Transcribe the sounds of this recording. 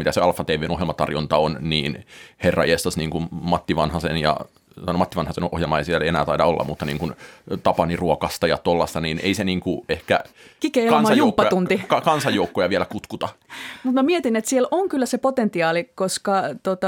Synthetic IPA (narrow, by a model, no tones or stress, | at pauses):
mit̪æseɑlfːɑt̪eiʋenohjelmɑt̪ɑ̰rjont̪ɑonniːnherːɑ̰iest̪ɑsniːŋkummɑt̪ːiʋɑnhɑsenjɑ̰ | ɑnomɑt̪ːiʋɑnhɑsenohjelmɑeisielenæːt̪ɑidɑolːʔɑ̰mut̪ːɑnḭːŋkunt̪ɑpɑniruokɑst̪ɑjɑ̰t̪olːɑst̪ɑniːnʔḛiseniːŋkuehkæ̰kikeikɑnmsɑjuːpːɑjt̪unt̪ikɑkɑnsɑjjoukːojɑʋiælækut̪kut̪ɑmut̪mæmiet̪inet̪sieloŋkylːæsepot̪ent̪iɑːlikoskɑt̪ot̪ɑ